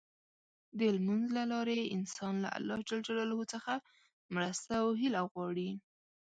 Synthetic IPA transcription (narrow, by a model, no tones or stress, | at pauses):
d̪əlmanzlalɑɾeɪnsɑnla̰a̰lːɑhd͡ʒalad͡ʒalɑlhot͡səxa | mɾəst̪awɦɪlaɣwɑɽi